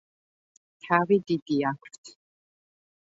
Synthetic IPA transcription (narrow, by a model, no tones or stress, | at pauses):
tʰaːwid̪id̪ijaːkʷtʰ